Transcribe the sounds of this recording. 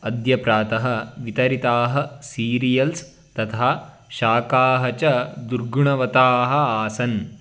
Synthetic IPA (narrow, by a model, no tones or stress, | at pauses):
ɐd̪jɐpɾaːt̪ɐɦɐ̆ʋit̪ɐɾit̪aːɦɐsiːɾijɐls | t̪ɐt̪ʰaː | ʃaːkaːɦɐt͡ʃɐd̪uɾɡuɳɐʋɐt̪aːɦɐaːsɐn